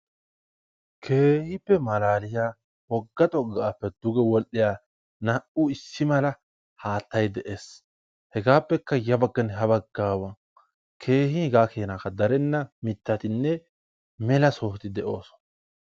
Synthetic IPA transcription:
kʰe̞ːhɪpːɛmɐlaːlɪjaː | wɔɡːɐt̪ʼɔɡːaːpːɛd̪̥ʊɡɛwɔlʔɪjaː | nɐʔʊɪsːɪmɐlɐ | haːt̪ːɐjd̪ɛʔe̞ːs | hɛɡaːpːɛkːɐjɐbɐɡːɐnɦɐbɐɡːaːwɐ | kʰe̞ːhɪhɡaːkeːnakɐd̪ɐɾɛnːɐmɪt̪ːɐt̪ɪnːɛ | mɛlɐsoːht̪ɪd̪ɛʔo̞ːsɔ̥nɐ

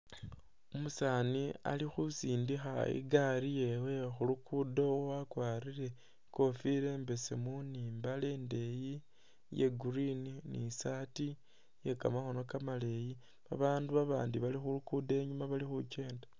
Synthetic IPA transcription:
omusania̰lixusiːndixaḭɡaɾije̞we̞xulukʰudo̞wakwaːɾiɾe̞ | ko̞fiɾe̞ːmbe̞semunimbale̞ːnde̞ji | je̞ɡurininḭsati | je̞ka̰maxo̞nokamale̞ji | βa̰βaːnduβaβaːndiβalixulukude̞ɲumaβalixut͡ʃe̞ːndḁ

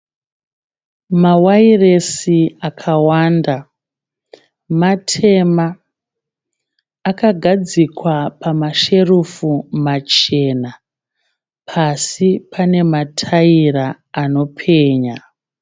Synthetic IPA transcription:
mawairesiakʰawaːnda | matʰe̞ma | kaɡʱad͡zikwapʰamaʃe̞rufumat͡ʃe̞ːna | pʰasipʰane̞matʰaiɾaː | no̞pʰe̞ːɲa

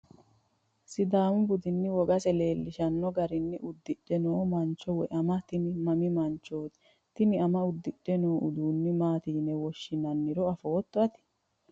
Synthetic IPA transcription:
sɪd̪aːmʊbʊd̪ɪnːɪwɔɡɐsɛle̞ːlːɪʃɐnːɔɡɐɾɪnːɪʔʊd̪ːɪɗɛnoːmɐnt͡ʃːɔwɛʔɐmɐt̪ɪnɪmɐmɪmɐnt͡ʃːoːt̪ɪ̥ | t̪ɪnɪɐmɐʊd̪ːɪɗːɛnoːʔʊd̪uːnːɪmaːt̪iːnɛwɔʃːɪnɐnːɪɾɔɐfoːt̪ːɔɐt̪ɪ̥

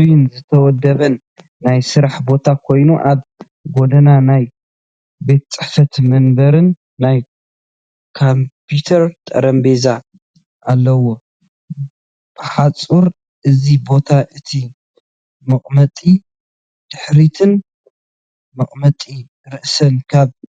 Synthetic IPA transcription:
junzɨt̪ʰɐwɔd̪ːɐβɐnː | ajsɨɾaħbo̞t̪ʰakʰo̞jnuʔaβ | ɡo̞d̪ɐnanaj | be̞t̪̚t͡sʼɨħfɐt̪mɐnbɐɾɨnː | aj | kʰompʰut̪ʰɐɾt̪ʼɐ̰ɾɐmbeza | ʔalːɐwo | b̥ɨħat͡sʼuɾ | ʔɨzibo̞t̪ʰaʔɨt̪ʰi | mɐχʼmɐt̪ʼi | d̪̥ɨħɾit̪ʰɨn | mɐχʼmɐt̪ʼi | ɾɨʔsɐnkʰaβ

